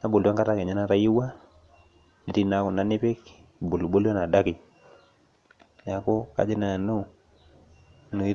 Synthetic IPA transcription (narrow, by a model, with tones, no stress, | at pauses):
na˦bo˨la˦ŋka˦ɾa˦ke˨ɲa˦na˦ɾa˦ji˦wa˦ | i˨ti˦na˨ku˨na˨nɪ˦pe˦k | bo˨lu˨bo˦la˦na˨da˦ki˨ | na˨ko˦ka̰˦d͡ʒi˦na˨nu˦ | nu˨i˦